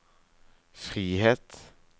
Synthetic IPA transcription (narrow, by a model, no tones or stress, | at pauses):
fʁiːheːt̪